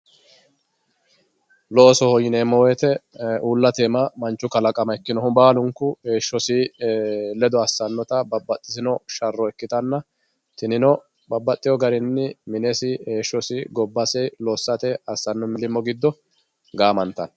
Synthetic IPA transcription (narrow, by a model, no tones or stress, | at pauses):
lɔɔsɔhɔjɪneːmːɔwɛt̪ɛuːlːɐt̪emɐmɐnt͡ʃːʊkɐlɐkʼɐmɐɛkːɪnɔhʊbaːlʊŋkːʊheːʃːɔsi | lɛd̪ɔɐsːɐnːɔt̪ɐbɐbːɐt̪ʼːɪsɪnɔʃɐrːɔɛkːɪt̪ɐnːɐ | t̪ɪnɪnɔ | bɐbːɐt̪ʼːɪjɔɡɐɾɪnːɪmɪnesɪheːʃːɔsɪɡɔbːɐsɛjlɔːsːɐt̪ɛɐsːɐnːɔmɪlɪmːɔɡɪd̪ːɔ | ɡaːmɐnt̪ːɐ̰n